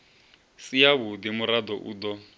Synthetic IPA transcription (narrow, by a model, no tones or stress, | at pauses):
sijaβʊd̪imʊɾad̪ɔʔṵːd̪ɔ